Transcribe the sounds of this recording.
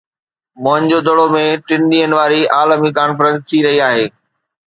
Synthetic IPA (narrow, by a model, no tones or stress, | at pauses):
mʊɦə̃ɲd͡ʑod̪əɽomẽʈɪ̃nɗiːənɪ̆ʋaːɾiaːlmikaːnfɾə̃ns̬t̪ʰiɾɐɦiaːɦeː